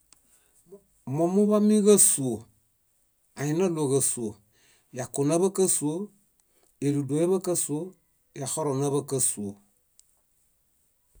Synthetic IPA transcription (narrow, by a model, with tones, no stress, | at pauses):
mɔ̃˨mu˦ba˦mi˦ɣə˦su˨o˨ | a˨i˦nə˦lo˨ɣə˨su˨o˨ | ja˨ko˨na˦bə˦kə˦su˨o˦ | e˨ɾu˨do˨˦e˦bə˦kə˦su˨˦o˦ | ja˨hɔ˦ɾɔ˨na˦bə˦kə˦su˨o˨